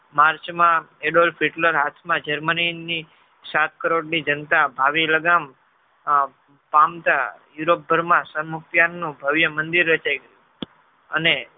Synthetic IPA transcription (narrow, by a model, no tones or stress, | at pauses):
maɾt͡ʃmãeɖolfʰiʈləɾɦat̪ʰmãd͡ʒəɾmənini | sat̪̚ʰkəɾoɽnid͡ʒənt̪abʱaʋiləɡam | pamt̪ajuɾop̚bʱəɾmãsəɾmuk̚t̪jannũbʱəʋjəmənd̪iɾːət͡ʃaiɡəɾju | əne